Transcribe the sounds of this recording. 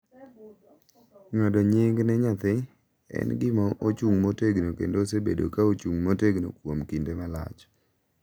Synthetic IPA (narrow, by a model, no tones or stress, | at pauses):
ɲɔdɔɲɪŋɡnɛɲat̪ɪ | ɛ̰nɡɪmɔʔot͡ʃuŋmoteɡnokḛndosebḛdo̰kaot͡ʃuŋmoteɡno̰kwomkindemala̰t͡ʃ